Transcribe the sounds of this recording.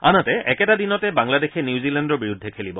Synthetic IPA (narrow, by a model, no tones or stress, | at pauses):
a̰natɛʔɛkɛtad̪inɔtɛbaŋladexʰenjuzilandɔɹbiɹud̪ʱːekʰelibɔ